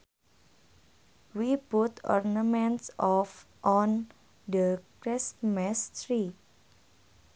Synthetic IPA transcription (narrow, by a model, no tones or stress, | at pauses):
wiput̪ɔ̰rnamɛntsɔf | ʔɔn | dəkɾɪsmɛstɾi